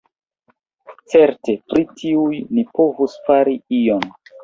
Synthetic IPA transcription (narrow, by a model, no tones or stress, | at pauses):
t͡se̞ɾte̞pɾitʰiujnipo̞vusfaɾiion